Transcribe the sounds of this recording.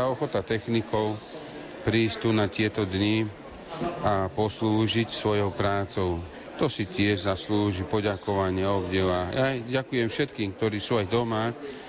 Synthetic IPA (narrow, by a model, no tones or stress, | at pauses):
aɔxɔt̪at̪ɛxnikɔʊ | pɾiːst̪uːnat̪ɪɛt̪ɔd̪ɲi | apɔsluːʒicsʋɔjɔʊpɾaːt͡sɔʊ | t̪ɔsicɪɛʒzasluːʒipɔɟakɔʋaɲɪɛɔbɟɛʋaːjaɟakujɛmfʃɛt̪kiːmk̚t̪ɔɾiːsuːajd̪ɔma